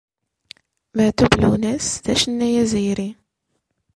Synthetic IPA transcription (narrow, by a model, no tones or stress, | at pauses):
mæt̪ublunæsðæʃənːæjæzijɾi